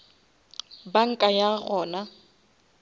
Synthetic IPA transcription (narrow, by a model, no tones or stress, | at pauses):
baŋ̩kʼajaɣɔːna